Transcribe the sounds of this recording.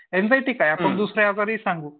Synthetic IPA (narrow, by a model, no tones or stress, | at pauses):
end͡zajt̪iːkajapəɳd̪usɾejad͡zaɾisaŋɡuː